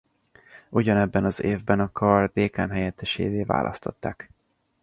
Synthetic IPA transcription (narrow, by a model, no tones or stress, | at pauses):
ʔuɟɒnɛbːɛnɒzeːvbɛnɒkʰɒrd̪eːkaːnɦɛjɛt̪ːɛʃḛːveːva̰ːlʔɒ̰st̪o̞̰t̪ːaːk